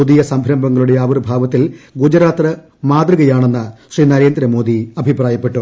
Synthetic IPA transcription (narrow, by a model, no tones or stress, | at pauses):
ud̪ijɐsɐmbʱɾɐmbɐŋːɐɭuɽe̞jɐɐʋɐrbʱaːʋɐt̪ːilɡud͡ʑɐɾaːt̪rɐ | maːd̪rɨɣɐjaːɳe̞nːɐɕriːnɐɾe̞ːnd̪ɾɐmoːd̪iɐbʱipraːjɐpːe̞ʈːu